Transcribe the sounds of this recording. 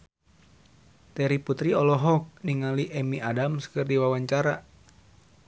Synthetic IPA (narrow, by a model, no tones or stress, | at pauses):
t̪ɛɾiput̪ɾiɔlɔɦɔk̚niŋaliʔɛmiʔadamskɨrdiwawaɲt͡ʃaɾa